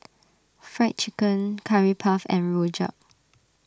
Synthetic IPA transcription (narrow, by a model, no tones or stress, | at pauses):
fɹɛt̚t͡ʃikə̃nkʰaɹipʰafɛ̰̃nɹod͡ʒa̰